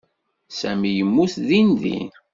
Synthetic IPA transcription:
sæmijəmːuθðinðḭn

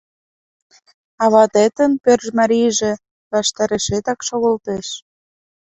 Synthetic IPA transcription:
ɑβɑt̪et̪ənpørʒmɑɾijʒĕ | βɑʃt̪ɑɾeʃet̪ɑkʃoɣŏlt̪eʃ

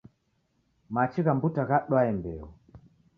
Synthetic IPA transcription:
mat͡ʃiɣambutaɣaɗwaɛmbɛɔ

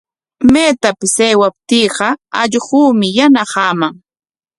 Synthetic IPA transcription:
meːt̪apɪsejwap̚t̪iːɢɑɑʎɢuːmɪjanaqɑːmaŋ

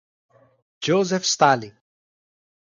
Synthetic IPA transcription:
d͡ʒoːzefst̪aːli

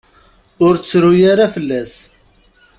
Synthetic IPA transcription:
ʊɾt͡sːɾʊjaɾafəlːæs

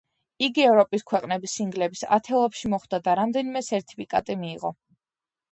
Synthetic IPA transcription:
iɡiɛvɾɔpʼiskʰwɛqʼnɛbisiŋɡlɛbisa̰t̪ʰɛlˠɔpʃimɔχd̪ad̪aɾamd̪ɛnimɛt̪sʰɛɾt̪ʰi̥pʰikʼa̰t̪ʼimiːʁɔ

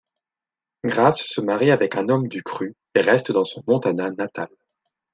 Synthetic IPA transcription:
ɡʁasːəmaʁiavɛkɛ̃nɔmd̪ykχy | eʁɛst̪d̪ɑ̃sɔ̃mɔ̃t̪ananat̪al

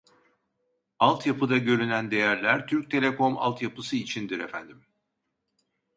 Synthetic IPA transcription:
alˠt̪japɯd̪aɟø̞ɾynænd̪e̞jæɾlʲæɾt̪ʰyɾc̚t̪ʰe̞lʲe̞kʰo̞ma̰lˠt̪japɯsɯit͡ʃʰind̪iɾefænd̪im

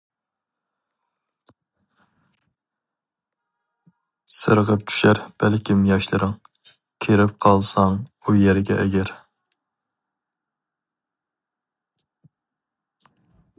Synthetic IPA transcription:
sɨɾʁəp̚t͡ʃʰy̥ʃæɾb̥ælkʲʰimjɑʃlˠɨɾɨŋ | kʲʰeɾɪp̚qʰɑlˠsɑŋujɛɾɪɡʲɛʔɛɡʲæɾ

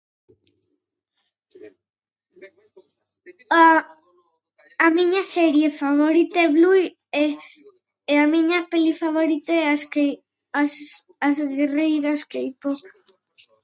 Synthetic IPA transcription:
a | amiɲasɛɾjefaβoɾit̪eβluj | eamiɲapelifaβ̞oɾit̪eas | s | azɣerejɾaskejpo

